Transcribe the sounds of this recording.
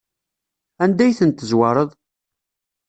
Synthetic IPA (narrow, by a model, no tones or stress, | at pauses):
ænd̪æjθənt̪ːəzwɑɾˤəðˤ